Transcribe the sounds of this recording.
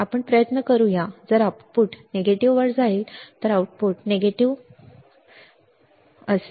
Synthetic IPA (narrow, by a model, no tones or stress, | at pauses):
apəɳpɾəjət̪nəkəɾũjad͡zəɾaʈ̚puʈneɡeʈiʋʋəɽd͡zaiːlt̪əɾawʈ̚puʈneɡeʈiʋ | əs